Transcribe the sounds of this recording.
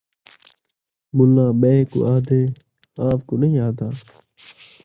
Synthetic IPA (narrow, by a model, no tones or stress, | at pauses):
mʊlːãːɓeːko̰ːʔaːd̪eː | aːʋkoːnəĩːaːd̪aː